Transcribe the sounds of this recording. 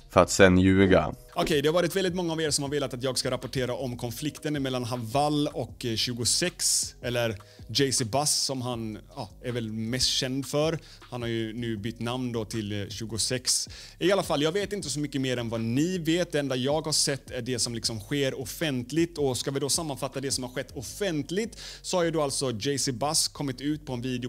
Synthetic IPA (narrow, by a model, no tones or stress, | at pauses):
fœɾat̪sɛnjʉ̟ːɡa̰ | ɔkʰɛjd̪ɛhavɑːɾɪt̪vɛld̪ɪt̪mɔŋːaːveːɾsɔmhaɾveːlat̪at̪jɑːɡskaɾapʊʈʰeːɾaʔɔmkʰɔnflɪkt̪ənmɛlːanɦavalːɔkɕʉːɡʊsɛksɛlːəɾ | d͡ʒɛɪsɪbasːɔmɦanɑːæɾvɛlmɛst̪ɕɛnd̪fœɾ | hanhaɾjɵnʉ̟ːbʏt̪ːnamnd̪ɔt̪ʰɪlɕʉ̟ːɡʊsɛks | ɪalafalːjɑːɡveːt̪ɪnt̪əsɔmʏkːəmeːɾɛnvanɪveːt̪̚d̪ɛɛnd̪ajɑːɡhaʂɛt̪ʰːæɖɛsɔmlɪksɔmɧeːɾɔfɛnt̪lɪt̪ɔskavɪd̪ɔsamːanfat̪ːad̪ɛsɔmhaɾɧɛt̪ːɔfɛnt̪lɪt̪sɔhaɾjad̪oalt̪sɔd͡ʒɛɪsɪbaskʰɔmːɪt̪ʉ̟ːt̪̚pʰɔɛnviːd̪ɪʊ